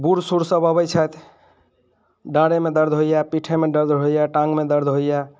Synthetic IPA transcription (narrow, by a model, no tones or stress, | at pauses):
buɾsuɾsəbəbɛjt͡ʃʰət̪ʰ | ɖãɽemed̪əɾd̪ʱɦojapiʈʰemed̪əɾd̪ʱɦojaʈãŋɡmed̪əɾd̪ʱɦojja